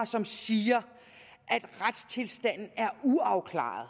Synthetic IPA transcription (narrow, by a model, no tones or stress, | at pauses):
sɒ̽msiːɐ | ʔæd̥ʁad̥st͡sʰe̝lsd̥æn̰n̩æɐuɑ̈ʊkʰlɑ̰̈ːð̩ˠ